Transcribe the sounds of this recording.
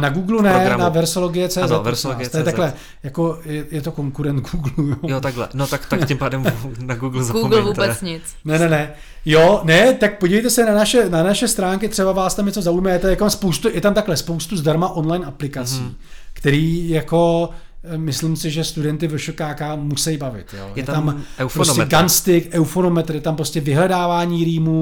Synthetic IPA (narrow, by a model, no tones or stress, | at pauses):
naɡuːɡlunɛnavɛɾsoloɡɪjɛt͡sɛːzɛɛɾsɪt̪ajɛt̪aklɛ | jako̞jɛjɛt̪o̞ko̞ŋkuɾɛnt̪ɡuːɡlujojot̪alɛ̰not̪akt̪acɪmpaːdɛmnaɡuːɡluzaɡuɡlvuːbɛt͡sɲɪt͡s | nɛnɛnɛ | jonɛt̪ak̚poɟivɛjt̪̬ɛsɛnanaʃɛnanaʃɛst̪ɾaːŋkɪt̪r̥ɛbavaːst̪amɲɛt͡so̞zaujmajɛt̪ajɛkt̪amspowst̪ujɛt̪amt̪aklɛspo̞wst̪uzdaɾmaʔo̞nlajnʔaplɪkat͡siː | kt̪ɛɾiːjako̞ | mɪslɪmsɪʒɛst̪udɛnt̪ɪvɛʃokaːkaːmusɛjbavɪ̰t̪jo̰ːjɛt̪t̪amɛwpɾoosɛɡanst̪ɪkʔɛwfonomɛt̪ɾ̩jɛt̪ampɾoscɛvɪɦlɛdaːvaːɲiːɾiːmu